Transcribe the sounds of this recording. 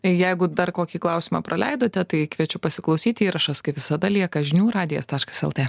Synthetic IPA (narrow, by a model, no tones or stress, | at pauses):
jɛɪɡʊd̪ɐrkoːkʲiklˠɐʊsʲɪmɑpɾʔɐlʲɛɪd̪oːt̪ʲɛt̪ɐɪkʋʲiɛt͡ʃʲʊpɐsʲɪklˠɐʊsʲiːt̪ʲiːɾɐʃɐskɐɪʋʲɪsɐd̪ɐlʲiɛkɐʒʲɪnʲuːɾɑːd̪ʲɪjɛ̰st̪ɑːʃkɐ̥sɛlˠt̪ʲeː